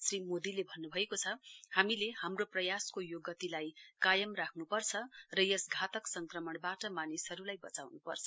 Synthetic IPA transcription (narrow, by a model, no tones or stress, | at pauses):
srimod̪ilebʱʌnːubʱʌekot͡sʰʌhamilehamroprʌjaskojoɡʌt̪ilajkajʌmrakʰnupʌrt͡sʰʌrʌjʌsɡʱat̪ʌksʌŋkrʌmʌɳbaʈʌmanisʌɾulajbʌt͡sawnupʌ̰rt͡sʰʌ̥